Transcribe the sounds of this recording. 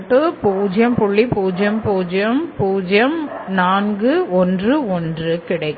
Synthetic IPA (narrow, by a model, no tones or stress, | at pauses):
ʈːɯpuːd͡ʒɐmpʊɭːipuːd͡ʒɐmpuːd͡ʒɐmpuːd͡ʒɐmnaːnɡɯɔndrɯɔndrɯkɪɽɐɪkː